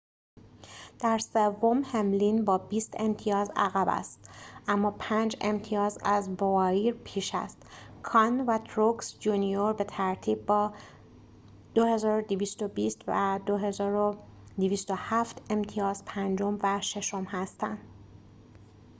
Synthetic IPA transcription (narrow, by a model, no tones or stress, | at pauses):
d̪̥æɾse̞vːomhe̞mlinbɒːbiːst̪e̞mt̪ʰijɒːzæɣæbæ̰st̪ʔæmːɒːpʰænd͡ʒe̞̰mt̪ʰiɒːzæzbovɒːiːɾpʰiːʃæ̰st̪kʰɒnvæt̪ʰɾoksd͡ʒunijoɾbe̞t̪ʰæɾt̪ʰiːb̚ːɒː | d̪̥ohe̞zɒːɾod̪iviːst̪o̞biːst̪væd̪o̞ɦe̞zɒːɾo | d̪iviːst̪o̞hæft̪ʰe̞mt̪ʰijɒːz̥pʰænd͡ʒo̞mvæʃe̞ʃo̞mhæst̪æ̰nd̪̥